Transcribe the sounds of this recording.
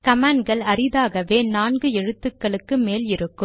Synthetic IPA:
kɐmaːɳɡɐɭɐɾɪðaːɣɐʋeːnaːnɡɯɛɻɯt̪ːɯkːɐɭɯkːɯmeːlɪɾɯkːɯm

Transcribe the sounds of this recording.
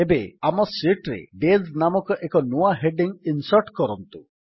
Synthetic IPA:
ebeamɔsiʈɾḛɖeznamɔkɔʔekɔnuaɦeɖiŋinsɔɾʈkɔɾɔnt̪u

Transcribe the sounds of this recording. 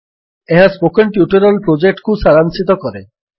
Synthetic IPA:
eɦaspokenʈjuʈeɾolpɾod͡ʑek̚ʈkusaɾanʃit̪̬okɔɾe

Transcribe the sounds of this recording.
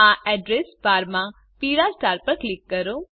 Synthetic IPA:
aɛɖɾesbaɾmã | piɾasʈaɾpəɾklikːəɾõ

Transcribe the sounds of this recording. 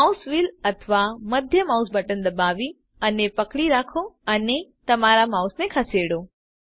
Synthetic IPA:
masʋiːlɐt̪ʰʋamɐd̪ʱjəmaːʊsbəʈənd̪ɐbaːʋi | ɐnepɐkɽiɾaːkʰoɐnet̪ɐmaːɾamaːusnẽkʰaseːɽoː

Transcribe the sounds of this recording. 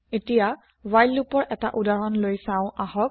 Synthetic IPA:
etija | wajlːupɔɹʔɛta̰ʔudaɹɔnlojsãʊ̃ʔaɦɔk̚

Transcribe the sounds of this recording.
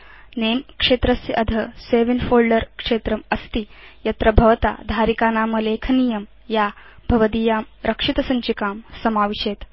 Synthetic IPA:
neːmkʂeːt̪ɾɐsɐd̪ʱɐseːʋinfoːlɖɐɾkʂeːt̪ɾɐmɐst̪ijɐt̪ɾɐbʱɐʋɐt̪a̰ːd̪ʱaːɾikaːnaːmɐleːkʰɐnijɐm | jaːbʱɐʋɐd̪iːjaːm | ɾʔɐkʂit̪ɐsɐɲt͡ʃikaːmsɐmaːʋiʃeːt̪

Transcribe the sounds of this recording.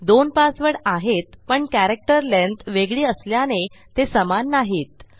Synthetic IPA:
d̪onpasʋəɽaɦet̪pəɳkæɾek̚ʈəɾlent̪ʋeɡɭiːəsljanet̪esəmanːaɦiːt̪

